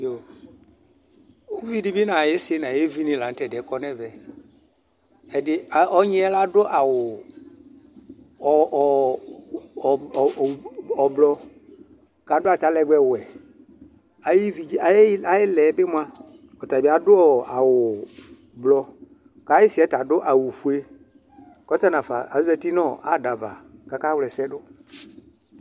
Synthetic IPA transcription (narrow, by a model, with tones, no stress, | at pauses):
jo˨ | o˦vi˦dɪ˨˦bɪ˦nã˨je˦sɪ˦nã˨je˦vi˦nĩ˨la˨n̩˦tɛ˨dɛ˨˦kɔ˦nɛ̃˦vɛ˨ | ɛ˨dɪ˦˨ɔ˦ɲɪ˦ɛ˦la˦dʊ˦ʔa˨wʊ˨ | ɔ˨ | ɔ˨blɔ˦ | ka˨˦dʊ˦a˨ta˨lɛ˨ɡ͡bɛ˨wʊ˨ɛ˨ | a˨jɪ˦vi˨˦a˨ja˨˦jɪ˦lɛ˨˦be˦mʊ˦a˦ | ɔ˨ta˨bi˨a˨dʊ˦ɔ˨a˨wʊ˨ | blɔ˦ | ka˨˦jɪ˦sɪ˨ɛ˨˦ta˨dʊ˦ʔa˨wʊ˨fu˨˦e˦ | kɔ˦ta˦nã˨fa̰˨a˨˦zɛ˦ti˦nɔ̃˦˨a˨˦da˨va̰˨ka˨ka˦wlɛ˨sɛ˦ɖʊ˦